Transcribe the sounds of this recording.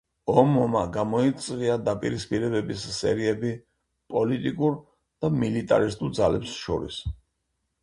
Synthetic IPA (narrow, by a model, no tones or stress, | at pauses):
ɔmɔmaɡamɔit̪sʼqiad̪apʼḭɾispʼiɾɛbɛbisːɛ̰ɾiɛbi | pʼɔlit̪ʼikʼuɾ | d̪̥amilit̪ʼa̰ɾist̪ʼuɾd̪zalɛpsʃɔ̰ɾis